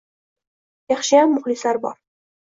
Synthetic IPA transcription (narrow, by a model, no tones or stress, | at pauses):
jɑχʃɪjamːʊχlɪslaɾbɒ̰ɾ